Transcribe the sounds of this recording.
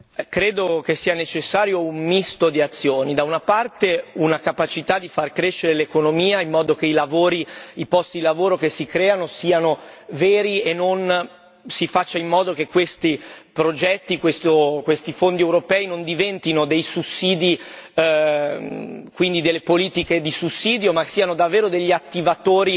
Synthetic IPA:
kɾeːd̪ok̟esiːanet͡ʃesːaːɾjoummist̪od̪iat̪sːjoːnid̪aunapart̪eunakapat͡ʃit̪ad̪ifarkɾeʃːeɾelekonomiːaimːɔːd̪okeilavoːɾiipɔst̪id̪ilavoːɾokesikɾɛːanosiːanovɛːɾienːon | sifat͡ʃːaimːɔːd̪okekːwest̪ipɾod͡ʒɛt̪ːikwest̪okwest̪ifond̪iɛwɾopɛːinond̪ivɛnt̪inod̪ejsusːiːd̪i | kwind̪id̪elːepoliːt̪iked̪isusːiːd̪jomasiːanod̪avːeːɾod̪eʎːiat̪ːivat̪oːɾi

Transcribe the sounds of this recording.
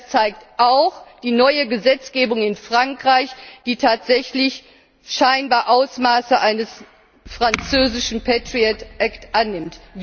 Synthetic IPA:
t͡saɪk̚tʔaʊxd̥iːnɔʏəɡəzɛt͡sɡ̥eːbʊŋɪnfʁ̥aŋkʁ̥aɪçd̥iːtʰaːtz̥ɛçlɪç | ʃaɪnbaːɐʔaʊsmaːsəʔaɪnəs | fʁ̥ant͡søːzɪʃn̩pʰɛtʁ̥iatʔɛktʔanːɪmt

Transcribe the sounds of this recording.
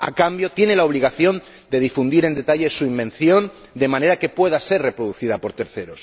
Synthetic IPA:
a̰kambjo̞t̪je̞ne̞lao̞β̞liɣ̞aθjo̞n | d̪e̞ð̞ifund̪iɾe̞nd̪e̞t̪aʎe̞suimbẽ̞nθjo̞n | d̪e̞mãne̞ɾake̞pwe̞ðase̞ɾre̞pɾoðuθiðapo̞ɾt̪e̞ɾθe̞ɾo̞s

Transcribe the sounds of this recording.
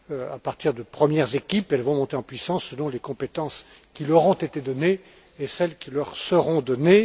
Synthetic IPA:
a̰paʁt̪iʁd̪əpχəmjɛʁzekʲipɛlvɔ̃mɔ̃t̪eɑ̃pɥisɑ̃sːəlɔ̃lekɔ̃pet̪ɑ̃s | kʲilɔʁɔ̃t̪et̪ed̪ɔneː | sɛlkʲilœʁsəʁɔ̃d̪ɔne

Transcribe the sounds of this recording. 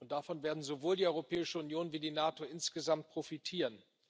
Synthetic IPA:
ʔʊntd̥afɔnveːɐdn̩zovoːldiːʔɔʏʁopʰɛːɪʃəʊnjoːnviːdiːnaːtoʔɪnsɡ̥əzamt̚pʁ̥ofitʰiːʁən

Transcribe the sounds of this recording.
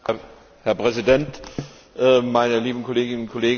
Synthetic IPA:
hɛɐpʁ̥ɛzidɛnt | ʔɛmaɪnəliːbn̩kʰɔleːɡɪnʊnkʰɔleːɡ

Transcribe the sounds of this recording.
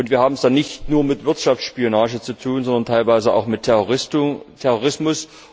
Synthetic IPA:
ʔʊntviːɐhaːbm̩sd̥anɪçtnuːɐmɪtv̥ɪɐtʃaft͡sʃpionaːʒət͡sutʰuːnzɔndɐntʰaɪlvaɪzəa̰ʊxmɪtʰːɛoɪstʰɛʁoʁɪsmʊs

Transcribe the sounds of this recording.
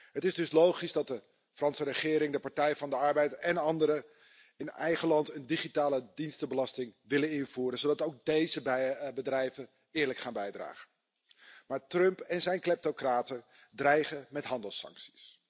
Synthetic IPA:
ɦətɪzdɵslowχizdɑt̚də | frɑnsərəχɪːɾɪŋdəpaɹtɛjvɑndəɑɹbɛjtɛnɑndəɾə | ɪnɛjχəlɑntəndiχitaːlədinstəbəlɑstɪŋʋɪlənɪnv̥uːɾənzodɑtowk̚dejzəbədrɛjvən | ɪːɹləkχaːnbɛjdra̰ːχə | maːɹtrɵmpɛnzɛjnklɛp̚tokraːtə | drɛjχəmɛtɦɑndəlˠsɑ̰ŋksi̥s

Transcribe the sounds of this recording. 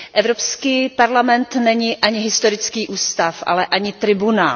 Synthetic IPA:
ʔɛvɾopskiːpaɾlamɛnt̪nɛɲɪʔaɲɪɦɪst̪oɾɪt͡skiːʔuːst̪afʔa̰lɛʔaɲɪt̪ɾɪbuna̰ːl

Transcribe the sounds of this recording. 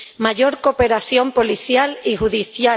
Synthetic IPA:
maʝo̞ɾkope̞ɾaθjo̞mpo̞liθjalixuðiθja

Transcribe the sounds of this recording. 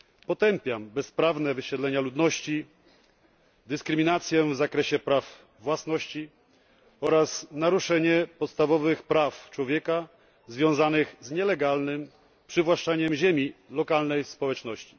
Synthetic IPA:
pɔt̪ɛmpʲjambɛspɾavnɛvɘɕɛd̪lɛɲalud̪nɔɕt͡ɕi | d̪ɘskɾɘmʲinat̪sʲjɛvzakɾɛɕɛpɾavː | wasnɔɕt͡ɕi | ɔɾasnaɾuʂɛɲɛpɔt̪st̪avɔvɘxpɾaft͡ʂwɔvʲjɛka | zvʲjɔ̃w̃zanɘɣzɲɛlɛɡalnɘm | pʂɘvwaʂt͡ʂaɲɛmʑɛmʲilɔkalnɛjspɔwɛt͡ʂnɔɕt͡ɕi̥

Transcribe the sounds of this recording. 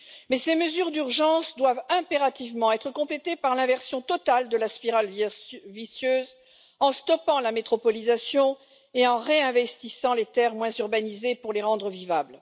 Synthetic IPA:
mɛseməzyʁd̪yʁʒɑ̃sd̪wavɛ̃peʁat̪ivmɑ̃ɛt̪χəkɔ̃plet̪epaʁlɛ̃vɛʁsjɔ̃t̪ɔt̪ald̪əlaspiʁalvisjøz | ɑ̃st̪ɔpɑ̃lamet̪χɔpɔlizasjɔ̃ | eɑ̃ʁeɛ̃vɛst̪isɑ̃let̪ɛʁmwɛ̃zyʁbanizepuʁleʁɑ̃d̪ʁəvivabl

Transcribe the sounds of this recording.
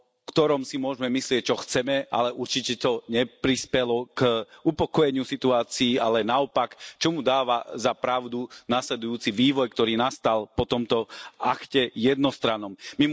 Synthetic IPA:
kt̪ɔɾɔmsimʊɔʒmɛmislɪɛc̚t͡ʃɔxt͡sɛmɛʔa̰lɛʔuɾt͡ʃicɛt̪ɔɲɛpɾispɛlɔkupɔkɔjɛɲɪusit̪uaːt͡siːalɛnaɔpakt͡ʃɔmud̪aːʋazapɾaʊd̪unaːslɛd̪ujuːt͡siʋiːʋɔjk̚t̪ɔɾiːnast̪alpɔt̪ɔmt̪ɔakcɛjɛd̪nɔst̪ɾanɔmmi

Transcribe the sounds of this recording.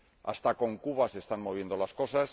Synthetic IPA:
a̰st̪ako̞ŋkuβase̞st̪anmo̞β̞je̞nd̪o̞lasko̞sas

